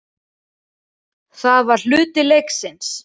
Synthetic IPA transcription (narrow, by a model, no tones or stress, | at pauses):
θaðvaɾ̥l̥ʏːt̪ɪlejksɪns